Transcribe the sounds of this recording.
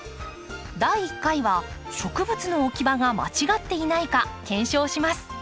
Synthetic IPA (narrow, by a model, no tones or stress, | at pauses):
d̪aiːkːaiβaɕo̞kɯ̟bɯ̟t͡sɨno̞ːkʲibaɡama̰t͡ɕiɡat̪ːe̞inaikakẽ̞ɰ̃ɕo̞ːɕimasɨ̥